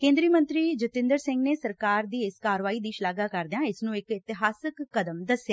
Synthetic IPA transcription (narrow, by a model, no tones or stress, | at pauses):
kẽːnd̪ɾiːmə̃nt̪ɾiːd͡ʒɪt̪ɪ̃nd̪əɾsɪ̃ŋɡneːsəɾkaːɾd̪iːɪskaːɾʋaːiːd̪iːʃlaːɡaːkəɾd̪ejãːɪsnũːɪkɪt̪ɪɦaːsɪkːəd̪əmd̪əsjaː